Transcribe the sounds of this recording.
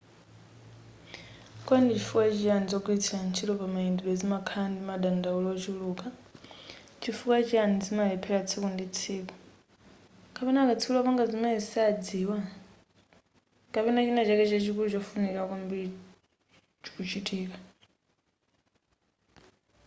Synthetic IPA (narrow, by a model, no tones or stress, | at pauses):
kɔandit͡ʃʰifukwat͡ʃijanid͡zɔkuitʰilant͡ʃʰilɔpamaindiɓɛd͡zimakʰandimaɗandaulɔt͡ʃiluːka | t͡ʃʰifukat͡ʃijanid͡zimaipʰɛɺat͡sʰikundit͡sʰiːkɔ̥ | kʰapɛnakat͡sʰiulɔpaŋɡazimaisad͡ziːwa | kapɛnat͡ʃinɛt͡ʃakɛt͡ʃɛt͡ʃikulut͡ʃɔfunikakumbi | t͡ʃi̥kut͡ʃitʼiːka